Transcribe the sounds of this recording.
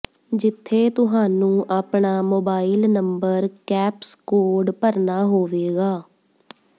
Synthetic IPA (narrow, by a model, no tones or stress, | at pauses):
d͡ʒɪt̪ʰːeːt̪ʊɦaːnũːʔaːpɳaːmoːbaːɪlnəmbəɾkɛːpskoːɾɖpəɾnaːɦoːʋeːɡaː